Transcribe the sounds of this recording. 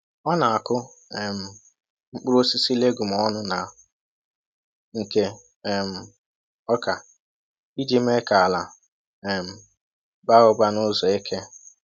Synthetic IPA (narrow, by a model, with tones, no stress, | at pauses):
ɔ˦na˨a˨kʊ˦ɛ˨m̩˨ | ŋ͡m̩˦k͡pu˦ɾo˦si˦si˦le˦ɡu˨m̩˨ɔ˦nʊ˦na˨ | ŋ̩˨ke˦ | ɛ˨m̩˨ | ɔ˦ka˨ | i˦d͡ʒi˦m̩˦e˦ka˨a˨la˨ | ɛ˨m̩˨ | ba˦ʊ˦ba˦nʊ˦zɔ˨e˦kʰe˦